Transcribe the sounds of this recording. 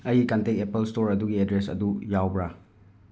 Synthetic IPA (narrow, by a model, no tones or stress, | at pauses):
ɐjikɐntek̚epelstoɾɐduɡiedɾesɐ̰dujawbɾa